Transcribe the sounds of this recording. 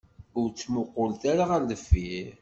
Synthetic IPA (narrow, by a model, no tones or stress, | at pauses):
ʊɾt͡sːmʊqːolt̪aɾaʁəɾləfːi